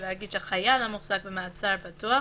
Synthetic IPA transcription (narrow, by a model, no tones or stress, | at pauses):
lehaɡid̥̪ʃeaχajalamuχz̥ak̚bemaat͡saɾpatua